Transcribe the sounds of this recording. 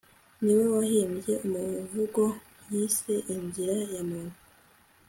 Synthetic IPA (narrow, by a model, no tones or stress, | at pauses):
niwe̞wahiːmje̞ʔumuvuɡo | jise̞ʔiɲziɾajamuːn̥u̥